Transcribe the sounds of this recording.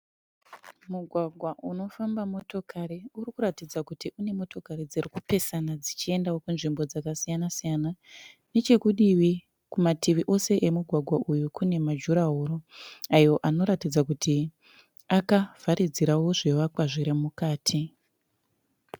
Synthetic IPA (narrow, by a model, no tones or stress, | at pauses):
muɡʱwaɡʱwaʔuno̞fambamo̞to̞kʰaɾiurikuɾatid͡zakutiʔune̞mo̞to̞kaɾid͡zerikupe̞sanad͡zit͡ʃie̞ndawo̞kunʐimbo̞d͡zakasijanasijanane̞t͡ʃe̞kuɗiʋi | kumatiʋiʔo̞se̞ʔemuɡʱwaɡʱwaʔujukune̞mad͡ʒuɾaɦuɾoajo̞ʔano̞ɾatid͡zakutʰi | akav̥aɾʔid͡ziɾawo̞ʐe̞ʋakwaʐiɾimukaːtʰi